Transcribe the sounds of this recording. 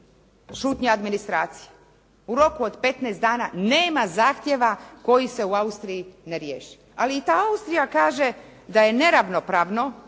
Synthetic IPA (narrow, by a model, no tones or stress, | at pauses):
ʃuːt̪ɲaad̪minist̪ɾaːt̪si̥je̥ | uɾo̞kuod̪pe̞t̪nɛːst̪d̪aːnaneːmazaːxt̪jeʋako̞jise̞uaust̪ɾijineɾjḛːʃi̥ | aliːt̪aːaust̪ɾijakaːʒe̞ | d̪aje̞ne̞ɾaʋno̞pɾaːʋno̞